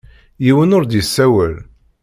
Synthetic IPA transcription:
jiwənʊɾd̪isːæwəl

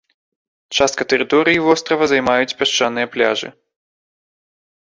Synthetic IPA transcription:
t͡ʂast̪̚kɐt̪ɛɾɨt̪ɔɾɨjivɔst̪ɾɐvɐzajmajut͡sʲpʲaʂt͡ʂanɨjɐplʲaʐɨ̰

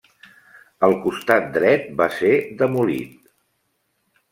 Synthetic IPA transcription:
əlˠkust̪at̪̚d̪ɾɛt̪̚based̪əmulḭt̪̚

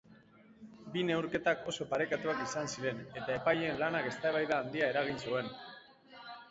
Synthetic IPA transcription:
bine̞wɾke̞t̪ako̞so̞paɾe̞kat̪uakisansiɾe̞ne̞t̪ae̞paje̞nlanake̞st̪aeβajðaːnd̪iae̞ɾaɣ̞insue̞n

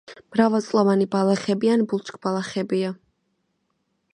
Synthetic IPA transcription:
m̥ɾavɛlˠt̪sʼlˠɔvanibalˠaχɛbianbulˠt͡ʃʼkʼb̥alˠaχɛbia

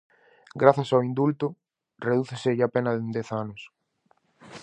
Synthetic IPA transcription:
ɡɾaθasawĩnd̪ult̪ʊ | reðuθesɪʝapenɐðend̪eθanʊs

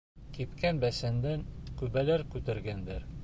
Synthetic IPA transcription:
kipkænbæsænd̪æŋkʉβælæɾkʉt̪æ̆ɾɡænd̪æɾ

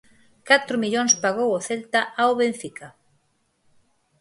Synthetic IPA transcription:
kat̪ɾʊmiʎoŋspaɣowoθelt̪aʔaoβẽɱfikʰa

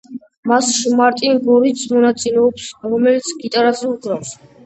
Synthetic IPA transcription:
masʃmaɾt̪ʼinɡɔɾit̪sʰmɔnat̪sʼilɛɔpsɾɔmɛlit̪sʰɡit̪ʼaɾazɛuɡɾafs

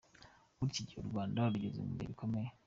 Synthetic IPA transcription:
uɾiciɟoɾuɡβaːndaɾuɟezḛmṵmeɾikʰo̞meje

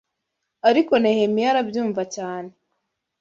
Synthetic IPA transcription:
aɾiko̞nehemijaɾabjuːɱvacaːne

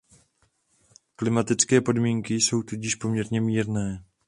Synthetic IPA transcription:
klɪmat̪ɪt͡skɛːpo̞dmiːŋkɪso̞wt̪uɟɪʃpo̞mɲɛɾɲɛmiːɾnɛː

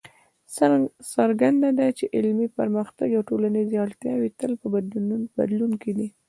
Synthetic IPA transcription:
sasaɾɡand̪ad̪at͡ʃeʔɪlmipəɾməxt̪aɡawʈolaniziaɽt̪jɑwit̪əlpəbaba̰d̪lunked̪i

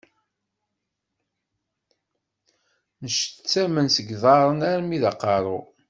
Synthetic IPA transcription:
nəʃt͡sːæmənsəɡðˤɑɾˤənæɾmiðɑqːɑɾˤo

